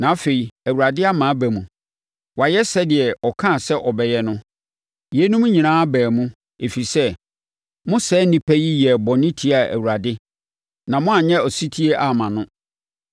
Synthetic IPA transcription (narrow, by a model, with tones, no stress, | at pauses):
nã˨a˦fe˨i˨æ˨wu˨ɾa˨dɪ˦a˦mã˨˦bæ˨mũ˨ | wa˨jɛ˦sɛ˦dɪ˨ɛ˨ɔ˨kʰã˦˨sɛ˦ʔɔ˨bɛ˨jɛ˨nʊ̃˦ | jɛ˨˦nũ˦m̃˦ɲĩ˨nãː˦a˦bæː˨mũ˦ | e˨fi˨sɛ˦ | mʊ̃˦sɛː˦nĩ˦pʰæ˦ji˦jɛ˨bɔ̃˨nɪ̃˦tʰi˦a˨æ̰˨wu˨ɾa˨dɪ˦ | nã˨mʊ̃˦a˨ɲɛ̃˦ɔ˨si˦tʰi˦e˦ʔa˨mã˨nʊ̃˦